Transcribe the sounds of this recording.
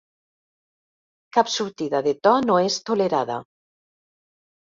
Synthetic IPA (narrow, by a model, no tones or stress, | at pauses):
kapsuɾt̪iðaðet̪ɔnoest̪oleɾaða̰